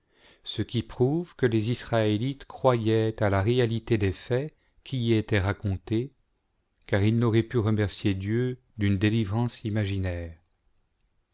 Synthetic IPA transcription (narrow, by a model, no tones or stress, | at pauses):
səkʲipχuvkəlezisχaelit̪kχwajɛt̪alaʁealit̪ed̪efɛ | kʲʰiːet̪ɛʁakɔ̃t̪e | kaʁilnɔʁɛpyʁəmɛʁsjed̪jø | d̪ynd̪elivʁɑ̃simaʒinɛːʁ